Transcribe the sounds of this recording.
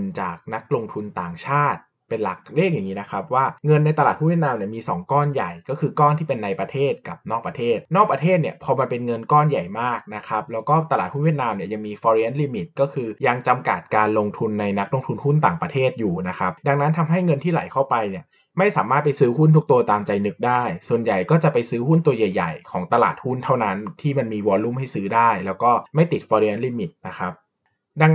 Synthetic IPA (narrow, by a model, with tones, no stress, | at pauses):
nt͡ɕa̰ː˨˩k̚na˦˥k̚lo˧ŋt̪ʰu˧nt̪aː˨˩ŋt͡ɕʰaː˥˩t̪̚ | pe˧nla̰˨˩k̚leː˥˩k̚jaː˨˩ŋːiː˦˥na˦˥kʰɾa˦˥p̚waː˥˩ŋɤ˧nːa˧jt̪a˧laː˨t̪̚hu˥nwi˥˩t̪̚naː˧mni˥˩ɐmiː˧sɔː˩˦ŋkɔː˥˩nja˨˩jkɔː˥˩kʰɯː˧kɔː˥˩nt̪ʰiː˥˩pe˧nːa˧jpɾa˧t̪ʰeː˥˩t̪̚ka˨˩p̚nɔː˥˩k̚pɾa˧t̪ʰeː˥˩t̪̚nɔː˥˩k̚pɾa˧t̪ʰeː˥˩t̪̚ni˥˩pʰɔː˧maː˧pe˧nŋɤ˧nkɔː˥˩nja˨˩jmaː˥˩k̚na˦˥kʰa˦˥p̚lɛː˦˥wkɔː˥˩t̪a˧laː˨˩t̪̚hu˥nwi˥˩ət̪̚naː˧mni˥ɐja˧ŋmiː˧fɔː˧ɾi˦˥ʔa˦˥nliː˧mi˨˩t̪̚kɔː˥˩kʰɯː˧ja˧ŋt͡ɕa˧mka̰˨˩t̪̚kaː˧nlo˧ŋt̪ʰu˧nːa˧jna˦˥k̚lo˧ŋt̪ʰu˧nhu˥˩nt̪aː˨˩ŋpɾa˧t̪ʰeː˥˩t̪̚juː˨˩na˦˥kʰa˦˥p̚da˧ŋna˦˥nt̪ʰa˧mɦa˥˩jŋɤ˧nt̪ʰiː˥˩la˨˩˦jkʰa˥˩wpa˧jni˨˩ɐ | ma˥˩jsaː˩˦maː˥˩t̪̚pa˧jsɯː˦˥ɦu˥˩nt̪ʰu˦˥k̚t̪u˧ɐt̪aː˧mt͡ɕa˧jnɯ˦˥k̚daː˥˩jsu˨˩ənja˨˩jkɔː˥˩t͡ɕa˨˩ʔpa˧jsɯː˦˥hu˥˩nt̪u˧ɐja˨˩jːa̰˨˩jkʰɔː˩˦ŋt̪a˧la̰ː˨˩t̪̚hu˥˩nt̪ʰa˥˩wna˦˥nt̪ʰiː˥˩ma˧nmiː˧wɔː˧nlu˥˩mɦa˥˩jsɯː˦˥daː˥˩jlɛː˦˥wkɔː˥˩ma˥˩jt̪i˨˩t̪̚fɔː˧ɾi˦˥a˦˥nliː˧mi˨˩t̪̚na˦˥kʰa˦˥p̚ | da˧ŋ